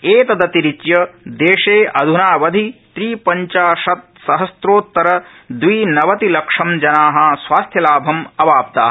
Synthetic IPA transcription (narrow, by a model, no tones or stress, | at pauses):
eːt̪ɐd̪ɐt̪iɾit͡ʃjɐd̪eːʂeːʔɐd̪ʱunaːʋɐd̪ʱit̪ɾiːpɐɲt͡ʃaːʃɐt̪̚sɐɦɐsɾoːt̪ːɐɾɐ | d̪ʋiːnɐʋɐt̪ilɐkʂɐmd͡ʒɐnaːɦɐsʋaːst̪ʰjɐlaːbʱɐmɐʋaːp̚t̪a̰ː